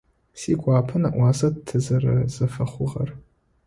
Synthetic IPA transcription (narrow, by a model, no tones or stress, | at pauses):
siɡʷʼaːpʰɨnaʔwaːsadtʰːɨzara̰zɨfaχʷʊʁar